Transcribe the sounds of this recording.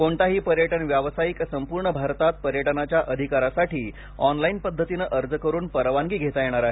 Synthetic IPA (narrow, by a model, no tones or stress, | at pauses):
koɳt̪aɦiːpəɾjəʈəɳʋjaʋsajiksəmpuɾɳəbʱaɾt̪at̪̚pəɾjəʈənat͡ɕjaʔəd̪ʱikaɾasaʈiː | ɔnlainpəd̪ʱːət̪inəʔəɾd͡zəkəɾuːnpəɾʋaŋɡiːɡʱet̪ajeɽ̃aɾaɦe